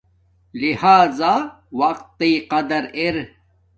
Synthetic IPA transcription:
lihaːzaː | wɐq̚t̪ːiːqɐd̪ɐɾeɾ

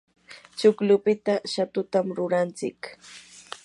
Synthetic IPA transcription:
t͡ʃʊklʊpɪt̪aʃat̪ʊt̪amɾʊɾant͡sɪ̰k

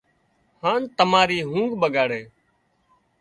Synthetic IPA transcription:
hãːnt̪əmaːɾiːɦũːŋɡɓəɡaːɽeː

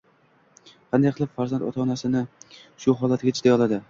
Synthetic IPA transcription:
qʰɑnd̪ajqʰɨlˠɪpfaɾzant̪ɒt̪ʰaːnasɪnɪʃʊɦɒlat̪̚ɡʲat͡ʃʰɪ̥ʃt̪ajɒlˠad̪ɪ

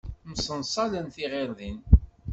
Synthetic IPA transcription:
məsənsˤɑlənθiʁɪɾðin

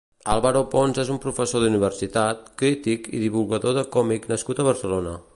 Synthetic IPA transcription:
alˠβaɾoponzezumpɾufəsoðuniβ̞ərsit̪at̪̚kɾit̪ikḭðiβulˠɣəðoðəkɔmiknəskut̪əβ̞əɾsəlonə

